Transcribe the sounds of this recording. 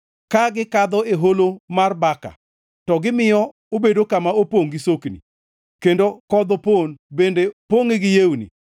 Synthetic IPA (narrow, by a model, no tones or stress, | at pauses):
kaɡɪkad̪ɔeɦolomarbaka̰ | tɔɡɪmɪjɔ | obedokamaopoŋɡɪsoknḭ | kendokɔd̪oponbendepwoŋɪɡɪjewunḭ